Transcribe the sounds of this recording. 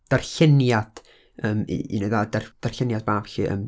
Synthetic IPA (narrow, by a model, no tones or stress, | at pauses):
d̥arɬɪnjad̥ | əmiḭnəjðadard̥arɬɪnjad̚baːv̥ɬiʔə̰m